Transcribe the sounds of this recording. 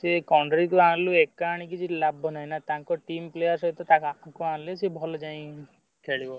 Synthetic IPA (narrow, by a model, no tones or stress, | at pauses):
sekawɳɖɾikuãluekaɽ̃ik̬id͡ʒilabʱɔnaɦinat̪ãŋkɔʈimplejəɾsɔit̪ɔt̪akaãkualesebʱɔlɔd͡ʒãĩ | kʰeɭibɔ